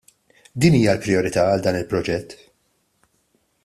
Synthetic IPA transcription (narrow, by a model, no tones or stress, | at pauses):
d̪iːniːjɐlpɾɪɔɾɪt̪ɐɐld̪ɐːnɪlpɾɔd͡ʒɛt̪ː